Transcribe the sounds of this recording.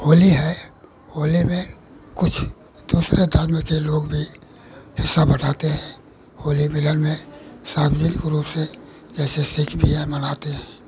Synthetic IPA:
hoːliɦɛ | hoːlimẽ | kʊt͡ʃʰ | d̪̥uːsɾʔed̪ʱəɾmẽkeloːɡbʱi | hɪsːabɐʈaːt̪eɦɛ̃ː | hoːlimɪlənmẽsaːmd͡ʒənɪkɾuːpse | d͡ʒɛːsesɪkʰbʱiɦɛmɐnaːt̪eɦɛ̃ː

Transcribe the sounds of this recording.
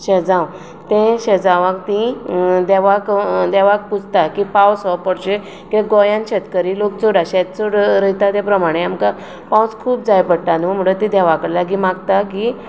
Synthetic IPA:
ɕɛd͡zãw | t̪ẽɕɛd͡zaʋãkt̪ĩd̪ɛʋakd̪ɛʋak̚pud͡zʱt̪akipawsɔpəɽɕe | kit̪ẽɡɔjãnɕet̪kəɾilok̚t͡soɽaɕɛt̪t͡soɽɾəjt̪at̪epɾəmaɽ̃eamka | pãwskʰuːp̚d͡zajpəɽʈanum̤əɽət̪ĩd̪ɛʋakəɽlaɡimaɡt̪aki

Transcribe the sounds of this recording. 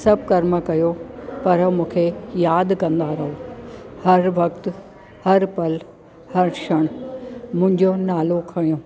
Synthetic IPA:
sɐb̚ʱkɐɾməkɐjopɐɾmũːkʰejaːd̪kɐ̃nd̪aɾɐɦohɐɾʋɐkt̪ | hɐɾpɐl | hɐɾʃɐɽ̃mʊ̃ɦɪ̃ɲd͡ʑonaːlokʰɐɽijõː

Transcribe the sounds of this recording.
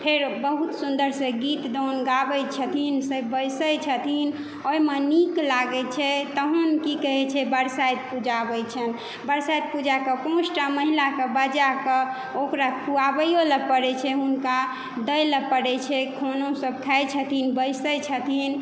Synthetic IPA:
pʰeɾbəɦut̪sund̪əɾsẽɡit̪d̪ɔnɡabəjt͡ʃʰət̪ʰinsəbəjsəjt͡ʃʰət̪ʰin | ojmeniklaɡɛt͡ʃʰɛt̪əɦənkikəɦɛt͡ʃʰɛbəɾsajd̪̚pud͡ʒabət͡ʃʰən | bəɾsajd̪̚pud͡ʒakəpõsʈaməɦilakəbəd͡ʒakə | okɾakʰuabəjoləpəɽɛt͡ʃʰɛɦunka | d̪əjləpːəɽɛt͡ʃʰɛkʰonosəb̚kʰajt͡ʃʰət̪ʰinbəjsəjt͡ʃʰət̪ʰin

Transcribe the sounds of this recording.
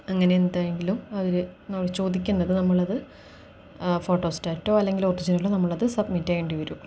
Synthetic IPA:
ɐŋːɐne̞jend̪aːjeŋɡilumɐʋɐɾɨnɐmːɭt͡ɕo̞ːd̪ikʲːunːɐðɨnɐmːuɭɐðɨ | fo̞ːʈːoːstaːtːo̞ːɐlːe̞ŋɡiloːrid͡ʑɐnilonɐmːuɭɐðɨsɐbmitːɐjeɳɖiʋɐɾum

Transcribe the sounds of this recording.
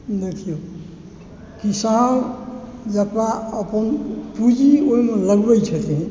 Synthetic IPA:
nʌkʰijo | kisabd͡ʒʌpaʌpʌnpud͡ʒioimʌlʌɡbʌjt͡ʃʰʌt̪ʰĩ

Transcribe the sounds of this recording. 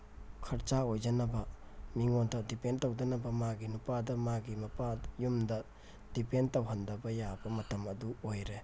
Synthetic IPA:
kʰɐɾt͡ʃaojd͡ʒɐnɐbɐ | miŋondɐdipentɐwdɐnɐbɐmaɡinupadɐmaɡimɐpajumdɐ | d̥ipentɐwɦɐndɐbɐjabɐmɐtɐmɐduojɾe

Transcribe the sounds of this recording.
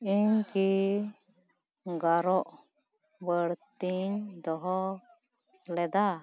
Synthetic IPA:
iɲki | ɡaɾɔʔ | bəɽt̪iɲd̪ɔɦɔ | lɛd̪a

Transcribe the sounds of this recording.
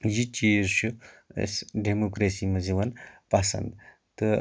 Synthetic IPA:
jit͡ʃiɾʃuḛsɖemokɾesimɐzeʋɐnpɐsɐ̰nd̪ | t̪ə

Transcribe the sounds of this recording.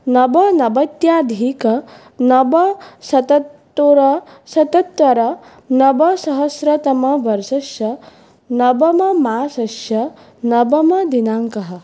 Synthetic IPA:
nɐbɐnɐbɐt̪jaːd̪ʱiːkɐ | nɐbɐsɐt̪ɐt̪ːoɾɐ | sɐt̪ɐt̪ʋɐɾɐ | nɐbɐsɐɦɐsɾɐt̪ɐmɐʋɐɾʃɐʃjɐ | nɐbɐmɐmaːsɐʃjɐ | nɐbɐmɐd̪inaːŋkɐɦɐ̆

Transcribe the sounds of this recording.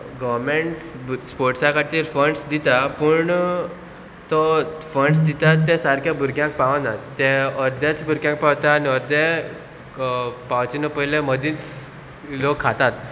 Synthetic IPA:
ɡɔʋmeɳʈsspoɾʈsakaɾt̪iːɾfəɳɖsd̪it̪apuɳ | t̪ɔfəɳɖsd̪it̪at̪ːɛ̃saɾkʰjabʱuɾɡjãŋk̚paʋãnat̪ːɛ̃əɾd̪jat͡sbʱuɾɡjãŋk̚paʋt̪aːniəɾd̪e | paʋt͡ɕinəpəɦileməd̪ĩːt͡s | lokʰːat̪at̪

